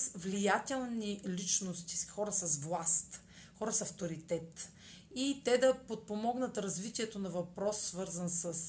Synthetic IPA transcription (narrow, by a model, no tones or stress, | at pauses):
svlijat̪ɛlˠnilit͡ʃnost̪i̥xɔɾəsɐsvlˠast̪ | xɔɾəsɐft̪oɾit̪ɛt̪ | it̪ɛd̪ɐpot̪̚pomɔɡnət̪ɾɐzvit̪iɛt̪onɐvɐpɾɔsːvɤɾzɐnsəs